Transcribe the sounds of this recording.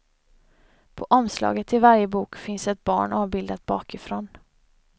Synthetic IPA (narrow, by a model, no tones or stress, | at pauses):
pʰɔʔɔmslɑ̰ːɡət̪ʰːɪlvaɾjəbuːkfɪnsɛt̪̚bɑ̰ːɳɑːvbɪld̪at̪̚bɑ̰ːkɪfɾoːn